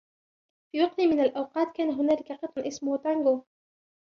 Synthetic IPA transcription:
fiːwɑqt̪ɪmɪnalʔawqɑːt̪̚kaːnaɦʊnaːlɪkaqɨt̪ˤnʔɪsmʊht̪aŋɡoː

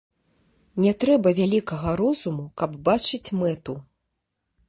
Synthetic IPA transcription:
nʲɛt̪ɾɛbɐvʲalʲikɐɣɐɾɔzumukɐbbat͡ʂɨt͡sʲmɛt̪u

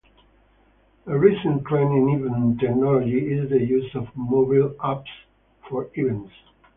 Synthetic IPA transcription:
əɹisə̃npʰlæ̃nɪ̃nivə̃ntʰɛk̚nɔlɔd͡ʒiɪzðəjuzɔvmobalaps | fɔɹivɛ̃ns

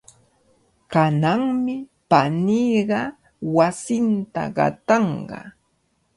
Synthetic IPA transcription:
kanaŋmɪpanijɢɑ | wasɪnt̪a̰ɢɑ̰t̪ɑɴɢɑ̰

